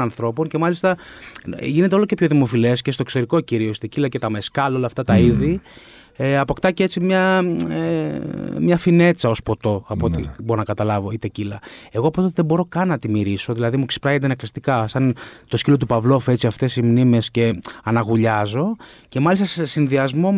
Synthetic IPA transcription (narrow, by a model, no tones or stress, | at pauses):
ɐnθɾo̞po̞nce̞mɐlist̪ɐ | ʝine̞t̪eo̞loce̞pço̞ðimo̞file̞scest̪oksoɾiko̞ciɾioisi̥t̪ecilɐce̞t̪ɐme̞skɐlo̞lɐft̪ɐt̪ɐiði | eɐpo̞kt̪ɐcee̞t͡simɲɐe | mɲɐfine̞t͡sɐo̞spo̞t̪o̞ɐpot̪ḭboonɐkɐt̪ɐlɐvo̞it̪ecilɐe̞ɣoɐpot̪ot̪eðebo̞ɾo̞kɐnɐt̪imiɾiso̞ðilɐðimuksi̥pɾɐɣet̪eneklist̪ikɐsɐnt̪o̞scilo̞t̪̬upɐvlo̞fet͡siɐft̪e̞simnime̞sce̞ɐnɐɣuʎɐzo̞ | ce̞mɐlist̪ɐsesinðiɐzmo̞